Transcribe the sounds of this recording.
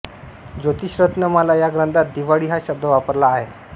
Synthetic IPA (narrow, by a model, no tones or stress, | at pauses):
d͡ʑot̪iːɕɾət̪nəməlajaɡɾənd̪at̪̚d̪iʋaɽiːɦaɕəb̚d̪əʋapəɾlaːɦe